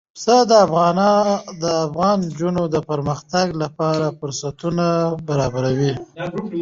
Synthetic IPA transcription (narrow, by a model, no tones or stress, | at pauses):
səd̪əafɣɑnɑd̪əafɣɑnd͡ʒunod̪əpəɾməxt̪aɡlapɑɾafʊɾsat̪unabaɾɑbaɾawi